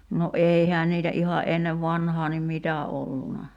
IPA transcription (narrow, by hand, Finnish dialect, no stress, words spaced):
no ʔeihæːn niːtæ ʔihɑ ʔenːeʋ ʋɑnhɑː nim mitæ olːunɑ